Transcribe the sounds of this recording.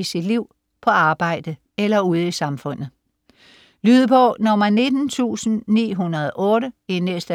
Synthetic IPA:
isid̥liʊ̰ | pʰɒ̽ɑ̈ːb̥ɑ̈ɪ̰d̥ə | elɐuð̞ˠisɑ̈mfɔ̽n̰ð̩ˠ | lyːð̞ˠəpʰɒ̽nɒmæne̝d̥n̩t͡sʰṵːsn̩nḭːɦunɐðˠʔɔ̽ːɾəenesd̥ə

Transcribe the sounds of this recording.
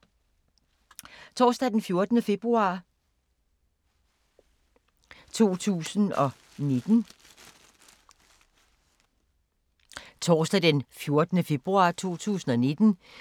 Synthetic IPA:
t͡sʰɒːsd̥æd̥enfjo̝ɐd̥ənəfe̝b̥ʁuɑ̈ː | t͡sʰo̝̰ːt͡sʰṵːsən̩ɒ̽ | ne̝d̥n̩ | t͡sʰɒːsd̥æd̥enfjo̝ɐd̥ənəfe̝b̥ʁuɑ̈t͡sʰo̝̰ːt͡sʰṵːsn̩ɒ̽ne̝d̥n̩

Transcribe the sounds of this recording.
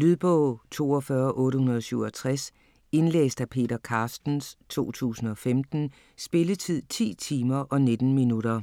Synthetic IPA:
lyðˠb̥ɔʊt͡sʰo̝̰ːɒfɶɐʔɔ̽ːɾəhunɐð̞ˠsyʊɒt͡sʰʁas | e̝nlḛːsd̥æpʰe̝̰ːdɐkʰɑ̈ːsd̥n̩st͡sʰo̝̰ːt͡sʰṵːsn̩ɒ̽femd̥n̩ | sb̥e̝lət͡sʰið̞̰ˠt͡sʰḭːt͡sʰiːmɐʔɒ̽ne̝d̥n̩minuɾɐ

